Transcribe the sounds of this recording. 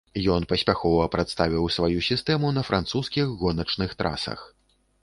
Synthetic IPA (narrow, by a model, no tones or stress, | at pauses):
jɔnpɐsʲpʲaxɔvɐpɾat̪st̪avʲiwsvajusʲist̪ɛmunɐfɾʔant̪suskʲiɣːɔnɐt͡ʂnɨxt̪ɾʔa̰sɐ̰x